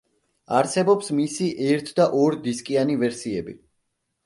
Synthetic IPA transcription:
a̰ɾsɛbɔpsmisiʔɛɾt̪ʰd̪aʔɔɾd̪iskʼianivɛɾsiɛbḭ

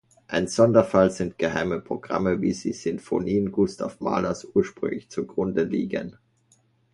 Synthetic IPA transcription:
ʔaɪnz̥ɔndɐfalzɪntɡ̥əha̰ɪməpʁ̥oɡ̥ʁa̰məviːziːz̥ʏmfo̰niːənɡʊstʰa̰fma̰ːlɐsʔuːɐʃpʁ̥ʏ̰ŋlɪçt͡suɡʁʊndəliːɡə̰n

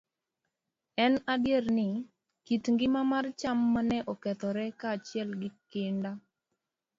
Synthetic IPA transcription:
ɛnadjernɪ | kitŋɡɪmamart͡ʃamːanɛʔɔkɛt̪ɔɾɛkaːt͡ʃɪɛlɡɪkɪnda

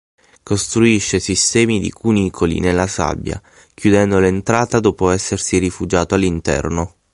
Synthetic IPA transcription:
kost̪ɾuiʃːesist̪ɛːmid̪ḭkʰunikʰolḭnelːasa̰bːja̰ | kjud̪ɛnd̪olent̪ɾaːt̪ad̪oːpoɛsːersirifud͡ʒaːt̪oalːint̪ɛ̰rno

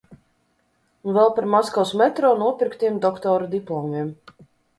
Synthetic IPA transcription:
unvɛlˠpaɾmaskawsmɛt̪ɾɔːnuɔpʲiɾkt̪ijɛmd̪ɔkt̪ɔːɾd̪iplˠɔmiɛm

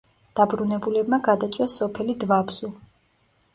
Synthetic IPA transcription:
d̪̥abɾunɛbulɛbmaɡad̪at̪sʼwasɔpʰɛlid̪vabz̥u

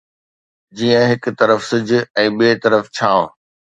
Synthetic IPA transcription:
d͡ʑiːə̃ɦɪkt̪ɐɾəfsɪd͡ʑʱʊ̆ɛ̃ːɓieːt̪ɐɾəft͡ɕʰãː

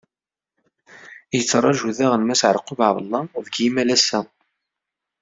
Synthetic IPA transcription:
jət͡sːɾˤɑʒuðæʁənmæsʕəɾqʊvʕvəlˤːɑðəɡimælæsæ

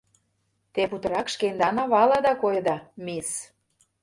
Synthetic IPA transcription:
t̪eput̪ɤ̆ɾɑkʃkend̪ɑnɑβɑlɑd̪ɑkojəd̪ɑmes

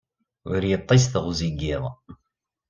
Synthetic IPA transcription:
ʊɾjət̪ˤːisθʁʊziɡɪðˤ

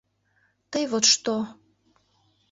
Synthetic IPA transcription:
t̪əjβot̪ʃt̪o

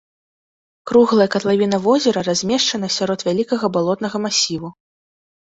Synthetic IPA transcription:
kɾuɣlˠɐjɐkɐt̪lˠavʲin̪ɐvɔzʲɛɾɐɾazʲmʲɛʂt͡ʂɐn̪ɐsʲaɾɔt̪vʲalʲikɐɣɐbalˠɔt̪nɐɣɐmasʲivu

